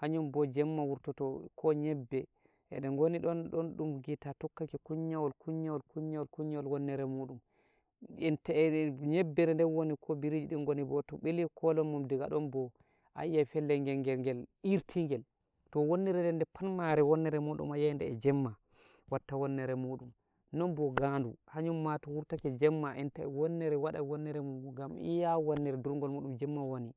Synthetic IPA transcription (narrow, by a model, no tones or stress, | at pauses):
haɲɔmbɔd͡ʒɛmːawuɾtɔtɔkʰɔɲɛbːɛ | ʔɛ̰ɗɛŋɡoniɗɔnɗɔnɗumɡitatɔkːakɛkuɲːawɔlkuɲːawɔlkuɲːawɔlkuɲːawɔlwɔnːɛɾɛmuɗum | ɛntɲɛbːɛɾɛndɛnwonikʰɔbiɾid͡ʒiɗɛnɡonibɔtɔɓelikʰɔlɔmːamdiɡa̰ɗɔnbɔ | ʔa̰jːafɛlːɛŋɡɛŋɡɛŋɡɛliɾtʰiŋɡɛl | tɔwonːiɾɛndɛndɛpʰanmaɾɛwɔnːɛɾɛmoɗṵmajandɛɛd͡ʒɛmːa | watːawɔnːɛɾɛmoɗum | nɔnbɔɡanduhaɲumːatɔwuɾtakɛd͡ʒɛmːaʔɛntaɛ̰wɔnːɛɾɛwaɗa̰wɔnːɛɾɛmumɡamḭjawɔnːɛɾɛduɾŋɡɔlmoɗumd͡ʒɛmːawoni